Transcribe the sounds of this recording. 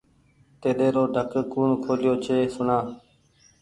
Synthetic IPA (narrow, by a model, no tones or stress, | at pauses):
t̪eːɗeːɾoːɖʱəkkuːnkʰoːljoːt͡ʃʰeːsʊɳaː